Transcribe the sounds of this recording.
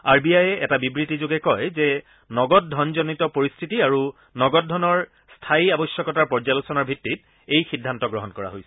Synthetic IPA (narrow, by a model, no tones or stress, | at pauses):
aɹbiajɛʔɛtabibɹitizoɡɛkɔjzɛ | nɔɡɔt̚dʱɔnzɔnitɔpoɹistʰitiaɹu | nɔɡɔt̚dʱɔnɔɹ | stʰaiabɔsjɔkɔtaɹpɔɹzalusɔnɔɹbʱitːit̚ | ejxidʱːantɔɡɹɔɦɔnkɔɹa̰ɦojsɛ̥